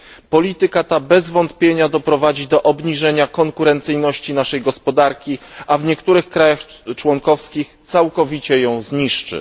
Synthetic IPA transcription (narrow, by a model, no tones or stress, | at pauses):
pɔlʲit̪ɘkat̪abɛzvɔnt̪pʲjeɲad̪ɔpɾɔvad͡ʑid̪ɔʔɔbɲiʐɛɲakɔŋkuɾɛnt̪sɘjnɔɕt͡ɕinaʂɛjɡɔspɔd̪aɾkʲiʔavɲɛkt̪uɾɘxkɾajaxt͡ʂwɔŋkɔfskʲixtt̪sawkɔvʲit͡ɕɛjɔ̃w̃zɲiʂt͡ʂɘ̰